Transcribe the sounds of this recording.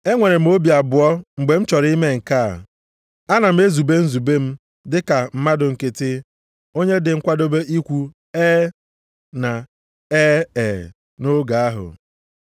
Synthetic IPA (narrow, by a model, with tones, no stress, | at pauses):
e˦ŋʷe˨ɾe˨m̩˦o˦bi˨a˨bʊ˨ɔ˦ŋ͡m̩˨ɡ͡be˨m̩˦t͡ʃɔ˨ɾi˦me˦ŋ̩˨ka˦˨ | a˦na˨m̩˦e˦zu˨be˦n̩˦zu˨be˦m̩˦ | dɪ˦ka˨m̩˦ma˦dʊ˨ŋ̩˨ke˨tɪ˦ | o˦ɲe˦dɪ˨ŋ̩˦kʷa˦do˦be˦ʔi˦kʷu˦ | e˦ | na˨ | e˦e˨ | no˦ɡa˨a˦ɦʊ̰˨